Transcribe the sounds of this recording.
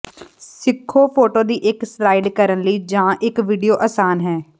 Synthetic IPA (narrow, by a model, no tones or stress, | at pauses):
sɪkʰːoːpʰoːʈoːd̪iːʔɪkslaːiɖkəɾənləiːd͡ʒãːʔɪkʋiːɖijoːʔəsaːnɦɛː